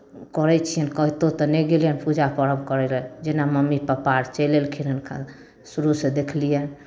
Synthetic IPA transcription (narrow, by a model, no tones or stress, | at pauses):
kɔɾɛt͡ʃʰijənkəɦt̪ot̪ɔnɛɡeljənpud͡ʒapəɾəbkəɾɛlənd͡ʒenaməmːipəpaɾt͡ʃɛlelkʰinənkʰa̰ | suɾused̪ekʰlijən